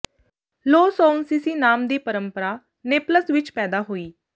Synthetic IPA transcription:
loːsɔːnsiːsiːnaːmd̪iːpəɾəmpəɾaː | neːpləsʋɪt͡ʃpɛːd̪aːɦoːiː

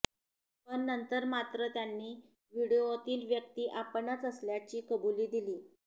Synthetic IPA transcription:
pəɳːənt̪əɾmat̪ɾət̪janːiː | ʋiɽiot̪iːlʋjək̚t̪iːʔapɳat͡səsljat͡ɕiːkəbuliːd̪iliː

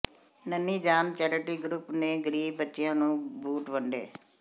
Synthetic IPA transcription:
nəniːd͡ʒaːnt͡ʃɛːɾəʈiːɡɾupneːɡəɾiːbbətːʃɪjãːnũːbuːʈʋəɳɖḛː

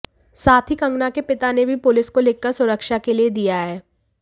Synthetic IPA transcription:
saːt̪ʰikɐ̃ŋɡnakepɪt̪anebʱipʊlɪskolɪkːəɾsʊɾəkʃakelied̪ijaɦɛː

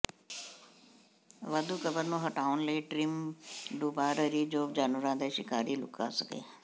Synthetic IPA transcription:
ʋɐd̪ʱukəbəɾnũɦɐʈʰaːʊnleːʈɾimɖuːbaːɾəɾid͡ʒoːbd͡ʑaːnʋʊɾãːd̪eʃɪkaːɾilʊ̰ka̰səɡḛː

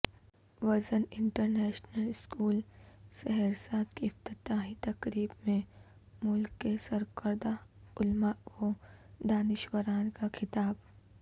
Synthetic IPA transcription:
ʋɐzənɪ̃ɳʈəɾnɛːʃnəlɪskuːlsɛɦɛɾsaːd̪kift̪ɪt̪aːɦĩt̪ɐkɾiːbmẽ | mʊlkːesɐɾkəɾd̪aʊlmaod̪aːnɪʃwəɾaːnkakʰɪt̪aːb

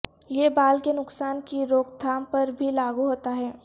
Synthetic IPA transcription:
jebaːlkenʊksaːnkiɾoːkd̪ʱaːmpɐɾbʱilaːɡuɦoːt̪aɦɛː

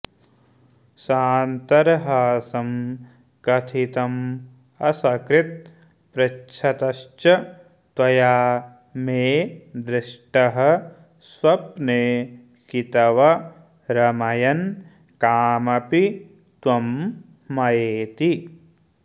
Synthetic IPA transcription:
saːnt̪ɐɾɦaːsɐm | kɐt̪ʰit̪ɐm | ɐsɐkɾɪt̪̚ | pɾɐt͡ʃʰɐt̪ɐʃt͡ʃɐ | t̪wɐjaː | meːd̪ɾɪʂʈɐɦɐ̆ | swɐp̚neː | kit̪ɐʋɐ | ɾɐmɐjɐn | kaːmɐpi | t̪wɐmː | ɐjeːt̪i

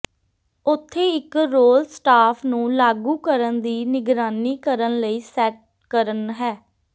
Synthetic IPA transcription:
ʊt̪ʰːeːɪkɾoːlsʈaːpʰnũːlaːɡuːkəɾənd̪iːnɪɡɾaːniːkəɾənləiːsɛːʈ̚ | kəɾənɦɛː

